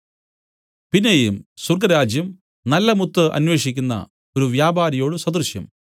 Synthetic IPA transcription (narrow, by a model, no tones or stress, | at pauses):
pinːejumsurɡɐɾaːd͡ʑjɐm | nɐlːɐmut̪ːɨʔɐ̰nwe̞ːʂikʲːunːɐ̰ | o̞ɾuʋjaːbaːɾɐjo̞ːɽɨswɐd̪ɐrʂjɐ̰m